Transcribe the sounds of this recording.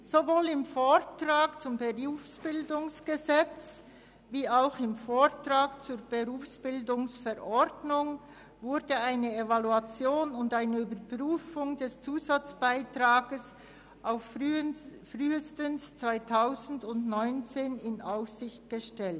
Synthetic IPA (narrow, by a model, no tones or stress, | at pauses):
z̥ovoːlɪmfoːɾtraːkt͡sʊmbəʁuːfsb̥ɪldʊŋsɡ̥əzɛt͡s | viːaʊxɪmfoːʁtraːkt͡suːɐb̥əʁuːfsb̥ɪldʊŋsfɛɾʔɔɾdnʊŋ | vʊɾdəaɪnəevaluat͡sjoːnʊndaɪnəyːbəɾpʁyːfʊŋdɛst͡suːzat͡sb̥aɪtraːɡəs | ʔaʊf | fryːəstənst͡sv̥aɪtʰaʊzn̩dʊndnɔʏnt͡seːnɪnʔaʊssɪçt̚ɡ̥əʃtɛlt